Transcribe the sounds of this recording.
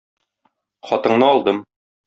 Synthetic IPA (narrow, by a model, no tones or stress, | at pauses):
χɒt̪ɤ̆ɴnɤɒlˠd̪ɤm